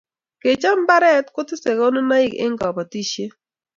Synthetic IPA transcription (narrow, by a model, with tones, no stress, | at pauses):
ke˨t͡ʃa˦m˦ba˦ɾɛ˦tkʊ˦tɪ˦se˨ko˦nʊ˦na˦ɪ˦kɪ̰˦ŋɡɔ˨pa˨ti˦ʃe˦